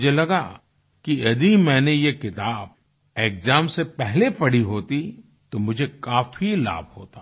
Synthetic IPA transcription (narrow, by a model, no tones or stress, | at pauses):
d͡ʒʱelɐɡa | kiɐd̪imɛ̃ːnejekɪt̪aːb̚ | eːkzaːmsepɛɦlepɐɽiɦoːt̪i | t̪omʊd͡ʒʱekaːfʰila̰ːb̚ʱhoːt̪aː